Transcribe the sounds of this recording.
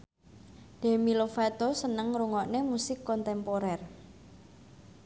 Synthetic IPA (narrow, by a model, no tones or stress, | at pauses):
d̥e̤milofat̪osənəŋɾuŋɔʔnemusɪkːɔnt̪ɛmpoɾɛr